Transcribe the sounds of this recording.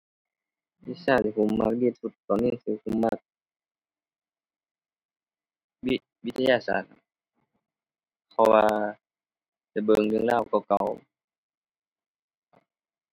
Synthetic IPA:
bi˧˥˨saː˧˩t̪̚si˧kʰu˧˩˨mmːa˧˥k̚diː˧˩˨t̪̚su˧˩t̪ːɔː˨niː˧˥˨sɯː˧˩kʰu˧˩˦mːa˧˥k̚ | wi˧ | wi˧t̪ʰːa˧jaː˧˨sa̰ː˧˩t̪̚a˧˩ | pʰɔ˧waː˧ | la˧˩bɤ˧˨ŋlɯ˧˨ŋlaː˧˩wka˧˩wka˧˩w

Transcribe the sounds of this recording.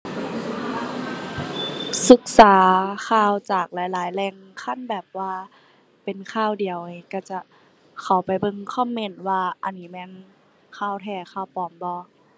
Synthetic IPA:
sɯ˧˦k̚saː˨˦kʰaː˧˩˨wt͡ɕaː˨˩k̚laː˨˦jlaː˨˦jlɛː˧˩ŋkʰa˧˥˨nbɛː˨˩p̚waː˧ | pe˨nkʰaː˧˩˨wdi˨əwka˧˩t͡ɕa˧˩ | kʰa˨˩wpa˨˩jbɤ˧˨ŋkʰɔː˧˥˨mːe˧˩˨nwaː˧ʔa˧˨nːiː˦˥mɛː˧˥˨n | kʰaː˧˩wt̪ʰɛː˧˩xʰaː˧˩wpɔː˨˦mbɔː˧˦

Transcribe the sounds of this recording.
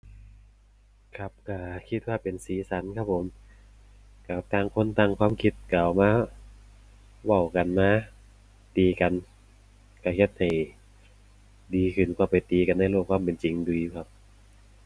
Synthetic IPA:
kʰa˧˩p̚ka˧˩kʰi˧˥t̪̚waː˧˨pe˨nsiː˨˦sa˨˦nkʰa˧˥˩p̚ʰo˨˦m | ka˧˩t̪aː˧˩˨ŋkʰo˧˥˨nt̪a˧˩ŋkʰwaː˧˥˨mkʰi˧˩t̪̚kaː˨wmaː˧˥˨ | wa˧˩wka˨nmaː˧˥˨ | tiː˨˧ka˨n | ka˧˩he˧˩t̪̚ha˨˩j | diː˨˧kʰɯ˧˩nkwaː˧˩pa˨˩jt̪iː˨˧ka˨˧˨nːa˧˥˩jloː˧˩kʰwaː˧˥˨mpe˨nt͡ɕi˨ŋduː˨juː˧˩kʰa˧˥p̚

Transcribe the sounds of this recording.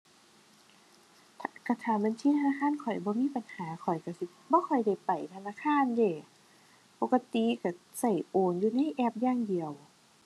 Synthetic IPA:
t̪ʰːka˧˩t̪ʰaː˧˩ma˧˥˨nt̪ʰiː˧˨t̪ʰa˧naː˧˥kʰaː˧˥˨nkʰɔ˨˩jbɔː˧˦miː˧˥˨pa˨nhaː˨˦kʰɔ˨˩jka˧˩si˧˦bɔː˧˦kʰɔ˨˩jda˧˩jpa˨˩jt̪ʰa˧naː˧˥˨kʰaː˧˥˨ndeː˧˩ | pɔ˨˧kːa˧t̪i˧˨ka˧˩ | sa˧˩jʔoː˨˩njuː˧na˧˥˨jʔɛː˧˩p̚jaː˧˨ŋdi˨əw

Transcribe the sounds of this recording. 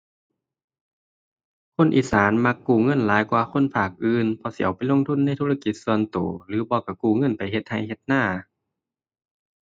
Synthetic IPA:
kʰo˧˥˨nʔḭː˨saː˨˦nma˧kːuː˧˩ŋɤ˧˥˨nlaː˨˦jkwaː˧˩kʰo˧˥˨npʰaː˧˨˩k̚ʔɯː˧npʰɔ˧si˧˨a˨˩wpa˨jlo˧˥˨ŋt̪ʰu˧˥˨nːa˧˥˨jt̪ʰuː˧˨la˧ki˧˦t̪̚su˧ənt̪o̰ː˨˩lɯː˨˦bɔː˧ka˧˩kuː˧˩ŋɤ˧˥˨npa˨jɦe˧t̪̚ha˧˩jhe˧˦t̪̚naː˧˥˩

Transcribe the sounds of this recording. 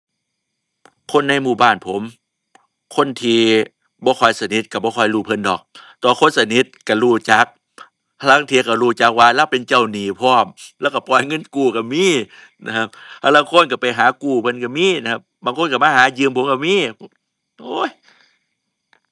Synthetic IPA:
kʰo˧˥˨nːa˧˩jmuː˧˩baː˧˩npʰo˨˦m | kʰo˧˥˨nt̪ʰiː˧ | bɔː˧˦kʰɔː˧˩jsa˧ni˨˦t̪̚ka˧˩bɔː˧˦kʰɔː˧˩jluː˧˩pʰɤ˧˥˨ndɔ̰ː˨˩k̚t̪ɔː˧˩kʰo˧˥˨nsa˧ni˧˦t̪̚ka˧˩ɾuː˧˩t͡ɕa˨˦k̚ | pʰa˧la˧˥˨ŋt̪ʰiː˧˨ka˧˩ɾuː˧˩t͡ɕa˨˦k̚waː˧lɛː˧˨wpe˨nt͡ɕa˧˨wniː˨˩˦pʰɔː˧˥˩mlɛː˧˨ka˧˩pɔː˨˩˦jŋɤ˧˥˨nkuː˨˩ka˧˩miː˧˥˨ | na˧kʰa˧˥p̚pʰa˧laː˧˥˨kʰo˧˥˨nka˧˩pa˨jɦaː˨˦kuː˧˩pʰɤ˧˥˨nka˧˩miː˧˥˨na˧kʰa˧p̚baː˨˦ŋkʰo˧˥˨nka˧˩maː˧˨ɦaː˨˦jɯː˧˨mpʰo˨˦mka˧miː˧˥˨ | ʔoː˧˥˨j

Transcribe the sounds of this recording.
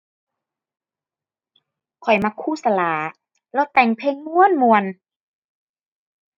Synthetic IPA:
kʰɔ˨˩jma˧kʰuː˧˥˨sa˧laː˨˩˦ | lɛ˧˩wt̪ɛ˨˩ŋpʰeː˧ŋmu˧˥ə˨nmu˧ən

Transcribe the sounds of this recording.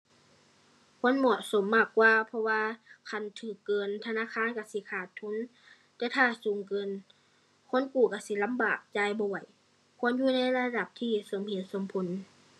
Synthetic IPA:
kʰo˧˥˨nmɔ˧˩t̪̚so˨˦mːaː˧˩kːwaː˧pʰɔ˧waː˧kʰa˧˩˨nt̪ʰɯː˨˩kːɤː˨nt̪ʰa˧naː˧˥˨kʰaː˧˥˨nka˧˩si˧˦kʰaː˧˩t̪ʰːu˧˥˨n | t̪ɛː˧˩t̪ʰaː˧˩suː˨˦ŋkɤː˧˨n | kʰo˧˥˨nkuː˧˩ka˧˩si˧˦la˧˥˨mbaː˨˩k̚t͡ɕaː˧˩˨jbɔː˧wa˨˩j | kʰo˧˥˨njuː˧˨na˧˥˨jla˧da˧˩p̚t̪ʰiː˧˩so˨˦mhe˨˦n̚so˧˦mpʰo˧˨˦n

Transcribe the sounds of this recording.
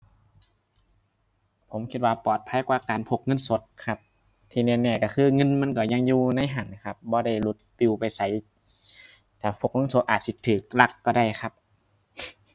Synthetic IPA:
pʰo˨˦mkʰi˧t̪̚waː˧pɔː˨˩t̪̚pʰa˧˥˨jkwaː˧kaː˨npʰo˧˩k̚ŋɤ˧˥˨nso˨˦t̪̚kʰa˧p̚ | t̪ʰiː˧˩nɛ˧˨nɛː˧˩ka˧˩kʰɯː˧˨ŋɤ˧˥˨nma˧˥˨nkɔː˧˩ɲa˧˨ŋjuː˧na˧˥˨jɦa˨˩˦nkʰa˧p̚bɔː˧˦da˧˩jlu˧˦t̪̚p̪i˧˨pa˨jsa˧˦j | t̪ʰaː˨˩pʰo˧˩k̚ŋɤ˧˥˨nso˧˦t̪̚ʔaː˨˩t̪̚si˧˦t̪ʰːɯː˨˩k̚la˧˩kːɔː˧˩ɾa˧˩˨jkʰa˧p̚

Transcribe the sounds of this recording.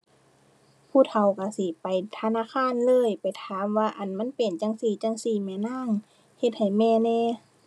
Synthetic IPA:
pʰuː˧˩t̪ʰa˨˩wka˧˩si˧˦pa˨˩jt̪ʰa˧naː˧˨kʰaː˧˥˨nlɤː˧˥˨jpa˨jt̪ʰaː˨˦mʋaː˧ʔa˨˩nma˧˥˨npe˨˩nt͡ɕa˧˨ŋsiː˧˩t͡ɕa˧˨ŋsiː˧˩mɛː˧˩naː˧˥˨ŋ | he˧t̪̚ha˨˩jmɛː˧˨nɛː˧˨

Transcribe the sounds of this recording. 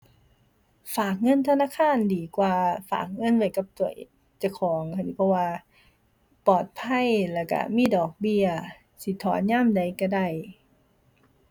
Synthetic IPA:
faː˨˩k̚ŋɤ˧˥˨nt̪ʰa˧naː˧˥˨kʰaː˧˥˨ndiː˨˦kwaː˨˧fa̰ː˨˩k̚ŋɤ˧˥˨nwa˧˩jka˧˩p̚t̪u˨˧˩əʔ | t͡ɕa˧˩kʰɔː˨˦ŋʰa˧˨iː˧˩pʰɔ˧waː˧ | pɔː˨˩t̪̚pʰa˧˥˨jlɛː˧˩ka̰˧˩miː˧˥˨dɔː˨˩k̚bi˧ɐə | si˧˦t̪ʰɔː˨˦nɲaː˧˥˨mda˨˩jka˧˩da˧˩j

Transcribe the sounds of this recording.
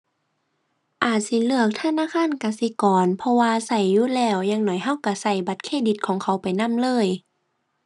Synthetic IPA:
ʔaː˨˩t̪̚si˧˦lɯ˧˩ək̚t̪ʰa˧˨naː˧˥˨kʰaː˧˥˨nka˧˩si˧˦kɔː˨˩npʰɔ˧waː˧sa˨˩jːuː˧˦˨lɛː˧˩wɲaː˧˨ŋnɔ˨˩˦jɦa˧˥˨wka˧˩sa˧˩jba˧˦t̪̚kʰeː˧˨di˧˦t̪̚kʰɔː˨˦ŋkʰa˧˩˦wpa˨˩jna˧˥˨mlɤː˧˥˨j

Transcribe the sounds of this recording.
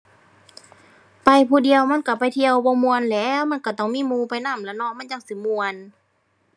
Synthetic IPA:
pa˧jpʰuː˧˩di˨əwma˧˥˨nka˧˩pa˧˨jt̪ʰi˧˨əwbɔː˧mu˧ənlɛː˧˥ma˧˥˨nka˧˩t̪ɔ˧˩ŋmiː˧˥˨muː˧pa˧˨jna˧˥˨mlɛ˧˩nɔ˧˥˨ma˧˥˨nja˧˨ŋsi˧˦mu˧ən

